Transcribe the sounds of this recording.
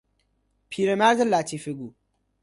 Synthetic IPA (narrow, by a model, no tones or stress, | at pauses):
pʰiɾɐmazɐlːatifeɡu